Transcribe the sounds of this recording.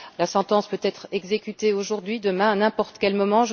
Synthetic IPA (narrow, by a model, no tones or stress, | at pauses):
lasɑ̃t̪ɑ̃spøt̪ɛt̪χɛɡzekʲyt̪eoʒuʁd̪ɥid̪əmɛ̃anɛ̃pɔʁt̪kʲɛlmɔmɑ̃ʒ